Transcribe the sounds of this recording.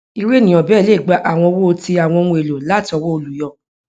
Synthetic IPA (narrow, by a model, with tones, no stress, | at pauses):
i˧ɾe˦nĩ˨ɔ̃˨bɛː˦˨le˦˨ɡ͡ba˧˦ʔa˦˨w̃ɔ̃˧wo˦o˧ti˧a˨w̃ɔ̃˧ŋũ˧e˨lo˨la˨˦ti˦ɔ˧wɔ˦o˧lu˨jɔ˦˨